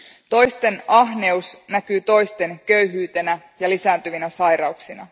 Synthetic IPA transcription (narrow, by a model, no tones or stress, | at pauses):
t̪o̞jst̪e̞nɑɦne̞usnækyːt̪o̞jst̪e̞nkø̞yɦyːt̪e̞næ | jɑlisæːnt̪yʋinæsɑjɾɑuksinɑ̰